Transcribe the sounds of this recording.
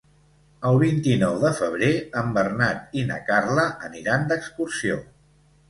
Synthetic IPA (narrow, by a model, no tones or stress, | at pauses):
əlˠβint̪inɔwðəfəβ̞ɾeəmbərnat̪inə̰karləʔəniɾand̪əkskursio